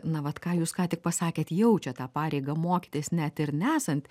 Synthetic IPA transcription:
nɐʋɐt̪kɑːjuːskɑːt̪ʲɪk̚pɐsɑːkʲeːt̪jɛʊt͡ʃʲɛt̪ɑːpɑːɾʲɛɪɡɐmoːkʲɪ̥t̪ʲeːsnʲɛt̪ɪɾnʲæːsɐnʲt̪ʲ

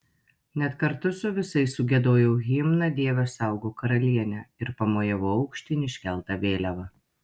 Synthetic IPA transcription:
nʲɛt̪kɐɾt̪ʊsʊʋʲɪsɐɪssʊɡʲɛd̪oːjɛʊɣʲiːmnɐd̪ʲiɛʋʲɛsɑˑʊɡoːkɐɾɐlʲiɛnʲɛɪɾpɐmoːjɛʋoɐʊkʃʲt̪ʲɪnʲɪʃʲkʲɛlˠt̪ɐʋʲeːlʲɛʋɐ

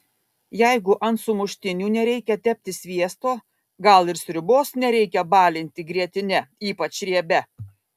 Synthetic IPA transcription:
jæɪɡʊʔɐnt̪sʊmʊʃʲt̪ʲɪnʲuːnʲɛɾʲɛɪkʲɛt̪ʲɛpʲt̪ʲɪsʲʋʲiɛst̪oː | ɡɐlˠɪɾsʲɾʲʊboːsnʲɛɾʲɛɪkʲɛbɑːlʲɪnʲt̪ʲɪɡɾʲiɛt̪ʲɪnʲɛiːpɐt͡ʃɾʲiɛbʲɛ

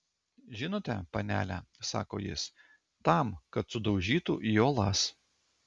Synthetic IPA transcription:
ʒʲɪnoːt̪ʲɛpɐnʲæ̰ːlʲæsɑ̰ːko̰ːjɪ̰s | t̪ɐˑmkɐt̪sʊd̪ɒʊʒʲiːt̪uːʔijoːlˠɑs

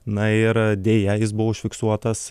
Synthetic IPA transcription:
nɐɪɾd̪ʲeːjɛjɪsbʊʋoːɪʃʲfʲɪksuɔt̪ɐs

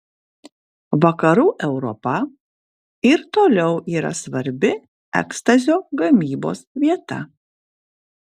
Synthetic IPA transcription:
ʋɐkɐɾuːʔɛʊɾɔ̰pɐ | ɪɾt̪oːlʲɛʊʔiːɾɐ̰sʋɐɾʲbʲɪ | ɛ̰kst̪ɐzʲoːɡɐmʲiːbo̰ːsʋʲiɛt̪ɐ̰

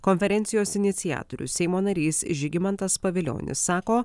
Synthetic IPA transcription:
kɔnʲfʲɛɾʲɛnʲt̪sʲɪjoːsɪnʲɪt̪sʲɪjæ̰ːt̪oɾʲʊ̰sʲɛɪmoːnɐɾʲiːsʒʲɪɡʲɪmɐnt̪ɐspɐʋʲɪlʲo̰ːnʲɪ̰sːɑːkoː

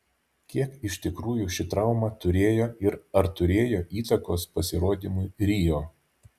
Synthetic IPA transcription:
kʲiɛkɪʃʲt̪ʲɪkɾuːjuːʃʲɪt̪ɾɑˑʊmɑːt̪ʊɾʲeːjoːɪɾɐɾt̪ʊɾʲeːjoːʔiːt̪ɐkoːspɐsʲɪɾoːd̪ʲiːmʊɪɾʲiːjoː

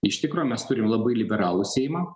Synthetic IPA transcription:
ɪʃt̪ʲɪkɾoːmʲɛst̪ʊɾʲɪmlˠɐbɐɪlʲɪbʲɛɾɑːlˠʊsʲɛɪjmɑː

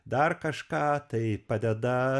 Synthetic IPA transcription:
d̪ɐrkɐʃkɑːt̪ɐɪpɐd̪ʲɛd̪ɐ

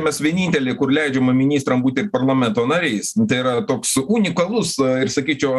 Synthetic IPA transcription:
mʲɛsʋʲiɛnʲiːnʲt̪ʲɛlʲeːkʊrlʲɛɪd͡ʒʲɛmɐmʲɪnʲiːst̪ɾɐmbuːt̪ʲɪɪrpɐrlˠɐmʲɛnt̪oːnɐɾʲɛɪst̪ɐɪirɐt̪oːksuːnʲɪkɐlˠʊsɪrsɐkʲiːt͡ʃʲɛʊ

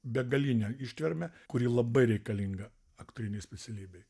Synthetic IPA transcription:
bʲɛɡɐlʲiːnʲɛɪʃʲt̪ʲʋʲɛɾʲmʲɛkʊɾʲiːlˠɐbɐɪɾʲɛɪkɐlʲiŋɡɐ | ɐkt̪oɾʲɪnʲɛɪsʲpʲɛsʲɛlʲiːbʲɛɪ

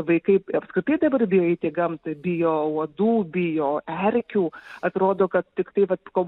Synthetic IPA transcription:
ʋɐɪkɐɪɐpskɾʲɪt̪ɐɪd̪ɐbɐrbʲɪjoːɪt̪ʲeːɡɐmt̪ɨbʲɪjoːuɔd̪uːbʲɪjoːɛɾʲkʲuːɐt̪ɾoːd̪oːkɐt̪t̪ʲɪkt̪ɐɪʋɐt̪koː

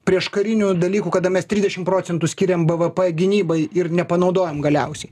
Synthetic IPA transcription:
pʲɾʲiɛʃkɐɾʲɪnʲud̪ɐlʲiːkuːkɐd̪ɐmʲɛst̪ʲɾʲɪzʲd̪ʲɛʃʲɪmpɾoːt͡s̪sʲɛnt̪ʊsʲkʲɪɾʲɛmbɛʋəpɛɡʲɪnʲiːbɐɪɪɾnʲɛpɐnɐʊd̪oːjɛmɡɐlʲɛʊsʲɛɪ

